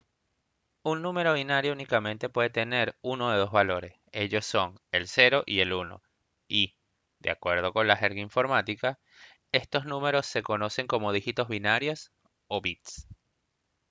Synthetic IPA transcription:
unːũme̞ɾo̞βinaɾjounikamẽ̞nt̪e̞pwe̞ðe̞t̪e̞ne̞ɾuno̞ðe̞ðo̞zβalo̞ɾe̞se̞ʝo̞sːo̞ŋelse̞ɾo̞ʔie̞luno̞̰ | i | d̪ea̰kwe̞ɾð̞o̞ko̞nlaxeɾɣaiɱfo̞ɾmat̪ika | e̞st̪o̞snũme̞ɾo̞sːe̞ko̞no̞se̞ŋko̞mo̞ðixit̪o̞zβinaɾjo̞s | oβit̪s

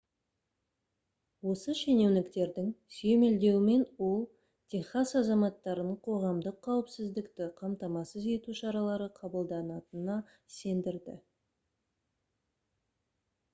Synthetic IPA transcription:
wo̞səʃe̞ne̞wnɪkt̪e̞ɾd̪ɪŋsʏje̞me̞ld̪e̞wɪme̞nwo̞lˠ | t̪ʲʰeχasɑzɑmɑt̪ːɑɾənəɴqʰo̞ʁɑmd̪əqʰːɑwəpsɪzd̪ɪkt̪ɪqʰɑmt̪ɑmɑsəze̞t̪uʃɑɾɑlˠɑɾəqʰɑbəlˠd̪ɑnɑt̪ənɑ | se̞nd̪ɪɾd̪ɪ̰

